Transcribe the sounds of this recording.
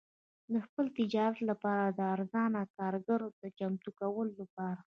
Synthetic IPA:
d̪əxpəlt̪ɪd͡ʒɑɾat̪lapɑɾad̪əaɾzɑnakɑɾɡaɾod̪ət͡ʃamt̪ukawəlolapɑɾa

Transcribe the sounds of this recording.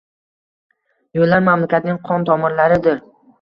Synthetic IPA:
jolːaɾmamlakʲat̪nɪŋqʰɒnt̪ʰɒmɒnlaɾɪd̪ɪɾ

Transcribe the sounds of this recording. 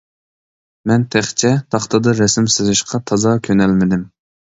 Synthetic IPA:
mɛnt̪ʰæχt͡ʃʰɛt̪ʰɑχt̪ɨd̪ɑɾɛsɪmsɪzɪʃqʰɑt̪ʰɑzɑkʲʰønɛlmɪd̪ɪm

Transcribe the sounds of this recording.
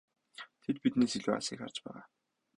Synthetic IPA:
t̪ʰet̪̚pit̪neːsiɮuːa̰siːkχar̥t͡ɕpæːʁaː

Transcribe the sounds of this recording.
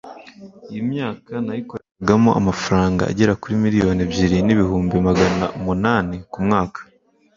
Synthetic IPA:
ijimɲaːkanajiko̞ɾeɡamo̞ʔa̰mafaɾaːŋɡa̰ːɟe̞ɾakuɾimiɾijo̞ːnebjiɾiniβihuːmbimaɡana̰umunaːnekumŋaːkḁ

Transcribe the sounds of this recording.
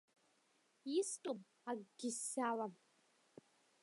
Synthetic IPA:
istʼom | aɡɡʲɪsːalam

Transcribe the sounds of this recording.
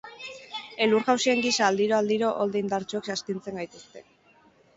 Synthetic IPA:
e̞luɾɣawsieŋɡisaːld̪iɾo̞ald̪iɾo̞ʔold̪eind̪aɾt͡soeksast̪int͡se̞ŋɡajt̪ust̪e̞

